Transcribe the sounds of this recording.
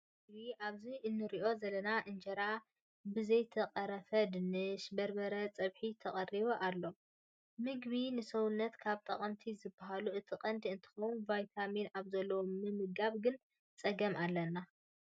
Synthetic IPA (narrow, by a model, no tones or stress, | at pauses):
ɡβiʔaβziʔɨnːɨɾiʔo̞zɐlɐnaʔɨnd͡ʒɐɾa | bɨzɐjt̪ʰɐqʼɐɾɐfɐd̪ɨnɨʃbɐɾbɐɾɐt͡sʼɐβħit̪ʰɐχʼɐriβoʔalːo̞ | mɨɡβinɨsɐwunːɐt̪kʰaβt̪ʼɐχʼɐmt̪ʰizɨbaɦaluʔɨt̪ʰɨqʼɐnd̪iɨnt̪ʰɐ̥xɐwunvajt̪ʰaminaβzɐlːɐwomɨmɨɡaβɡɨn | t͡sʼɐɡɐmalːɐnːa